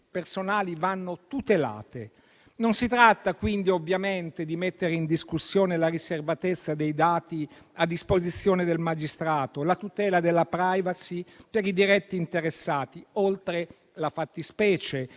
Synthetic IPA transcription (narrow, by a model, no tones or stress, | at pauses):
personaːlivanːot̪ut̪ela̰ːt̪e | nonsit̪ɾat̪ːakwind̪iovːjament̪ed̪imet̪ːeɾeind̪iskusːjoːnelariservat̪et̪sːad̪ejd̪aːt̪i | ad̪ːispozit̪sːjoːned̪elmad͡ʒist̪ɾaːt̪olat̪ut̪ɛːlad̪elːapɾajvasipeɾid̪iɾɛt̪ːiːnt̪eɾesːaːt̪iolt̪ɾe | lafat̪ːispɛːt͡ʃe